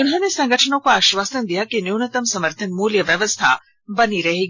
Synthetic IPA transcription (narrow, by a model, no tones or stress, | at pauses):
unɦɐnesɐŋɡɐʈʰɐnokuaʃʋaːsɐnd̪iɦakenuwnɐt̪ɐmsɐməɾt̪ʰɐnmuːljɐʋjɐʋɐst̪ʰa̰ː | bɐniɾɐɦiɡ